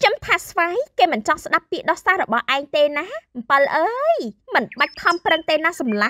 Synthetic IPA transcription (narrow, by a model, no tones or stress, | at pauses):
t͡ɕəmt̪ʰaːsʋaːjkeːmɨnt͡ɕɑŋsɗapːiəʔɗɑhsaːhrɔɓɑhʔaɛŋt̪eːnaːm̩pəlʔəːjmɨnɓac̚t̪ʰɑmprəŋt̪eːnasɑmlah